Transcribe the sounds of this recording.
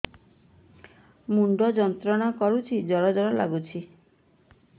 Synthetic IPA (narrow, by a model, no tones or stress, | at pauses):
muɳɖɔd͡ʒɔnt̪ɾɔɽ̃akɔɾut͡ʃʰid͡ʒɔɽɔd͡ʒɔɽɔla̰ɡut͡ʃʰi